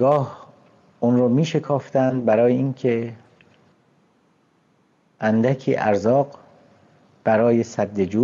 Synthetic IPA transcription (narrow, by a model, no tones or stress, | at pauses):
ɡɒːh | ʔunɾoːmiːʃe̞kʰɒːft̪ænd̪̚bæɾɒːjeiŋkʰe̞ | ʔænd̪ækʰiːʔæ̰ɾzɒːɢ | b̥æɾɒːje̞sæd̪ːed͡ʒuː